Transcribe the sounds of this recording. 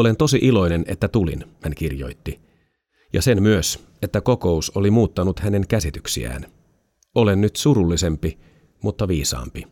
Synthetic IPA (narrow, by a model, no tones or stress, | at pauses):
o̞le̞nt̪o̞siʔilo̞jne̞ne̞̰t̪ːæt̪ulḭnhænk̟irjo̞̰jt̪ːi | jɑ̰se̞nmyøs | et̪ːæko̞ko̞usolimuːt̪ːɑnut̪hæne̞ŋkæsit̪yksḭæ̰ːn | o̞le̞nːyt̪suɾulːise̞mpi | mut̪ːɑʋiːsɑ̰ːmpi